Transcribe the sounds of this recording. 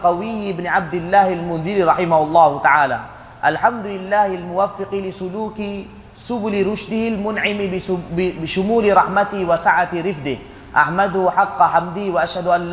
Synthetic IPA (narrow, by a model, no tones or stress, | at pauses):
qɑwɪjːɪbnʕab̚d̪ɪlːaːhalmʊnðɪliɾˤɑħɪmahʊlˤːɑːht̪aʕaːla̰ | ʔalħamd̪ʊlɪlːaːhalmʊwafːɪqilɪsʊluːki | sʊbʊlɾʊʃd̪ɪhilmʊnʕɪm | bɪʃʊmuːlɾˤɑħmat̪ɪwasaʕat̪ɾɪfd̪ɪ | ʔaħmad̪hħɑqːɑħamd̪ɪhwaʔaʃhad̪ʔalː